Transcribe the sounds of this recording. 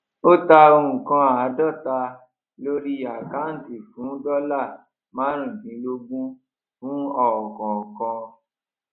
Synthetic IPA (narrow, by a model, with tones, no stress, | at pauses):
o˦ta˧o˧ũ˨kã˧a˨a˨˦dɔ˦˨ta˧ | lo˦ɾi˦a˨ka˨˦n̩˦˨ti˨fũ˨˦dɔ˦la˦˨ | mã˦ɾ̃ũ˦˨bĩ˨˦lo˦bũ˦ | fũ˨˦ɔ˦˨ɔ˨kɔ̃˨ɔ˨kɔ̃˧